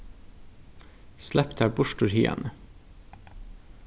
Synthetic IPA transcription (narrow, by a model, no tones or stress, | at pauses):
slʔæpt̪hæːbʊʃʈuɾhiːɑ̰nə